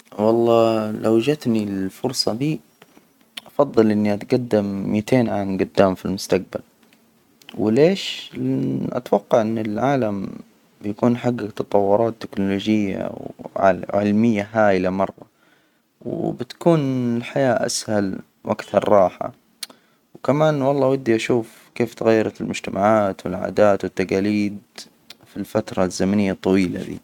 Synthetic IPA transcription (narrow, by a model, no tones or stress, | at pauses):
wɑlˤːɑːlʔawad͡ʒat̪nilfʊɾsˤɑd̪iː | ʔɑfɑðˤːɨlʔɪnːiʔat̪ɡad̪ːɪmːit̪ʰeːnʕamɡʊd̪ːaːmfilmʊst̪aq̚bal | wleːʃ | ʔa̰t̪wɑqːɑʕʔɪnːɪlʕaːlam | bɪjakuːnħaɡːat̪ɑt̪ˤɑwːʊɾˤɑːt̪ːɪknʊloːd͡ʒɪjːa̰waʕɪlmɪjːaɦaːʔlamɑrˤːɑ | w̰bɪt̪ḁkuːnɪlħajaːʔa̰shal | wʔakθɑɾˤːɑːħa̰ | wkamaːnwɑlˤːɑːwad̪ːiʔaʃuːf | keːft̪aɣajːɑɾˤɑlmʊd͡ʒt̪amʔaʕaːt̪wɪlʕa̰ːd̪aːt̪wɪt̪ːaqaːliːd̪ | filfat̪ɾˤɑzːamanɪjːat̪ˤːɑwiːla̰d̪ḭː